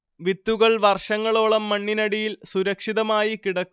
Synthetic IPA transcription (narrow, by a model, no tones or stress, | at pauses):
ʋit̪ːuɣɐɭʋɐrʂɐŋːɐɭoːɭɐmːɐɳːinɐɽijilsuɾɐkʂiðɐmaːjikiɽɐkː